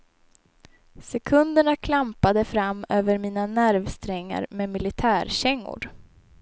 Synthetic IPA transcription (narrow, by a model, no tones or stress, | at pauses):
sɛkʰɵnd̪əɳakʰlampad̪əfɾamːøːvəɾmiːnanæɾvst̪ɾɛŋːa̰ɾmemɪlɪt̪ʰæːɾɕɛŋːʊ̰ɖ